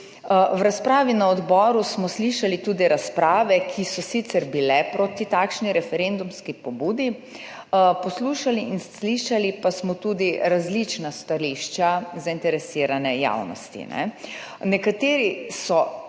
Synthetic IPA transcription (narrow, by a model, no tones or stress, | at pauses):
wɾaspɾaːʋinaɔd̪bɔːɾusmɔsliʃalit̪ud̪iɾaspɾaːʋɛkʰisɔsit̪sɛɾbilɛpɾoːt̪it̪aːkʃniɾɛfɛɾend̪umskipɔbuːd̪i | pɔsluːʃaliinsliʃalipasmɔt̪uːd̪iɾazlit͡ʃnast̪aɾiʃt͡ʃazaint̪ɛɾɛsiːɾanɛja̰wnɔ̰st̪ḭnɛ̰ | nɛkat̪eːɾisɔ